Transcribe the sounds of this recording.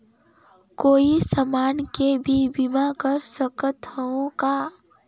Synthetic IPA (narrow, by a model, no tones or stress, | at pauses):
koːisəmaːnkebʱibimakəɾsəkət̪əõka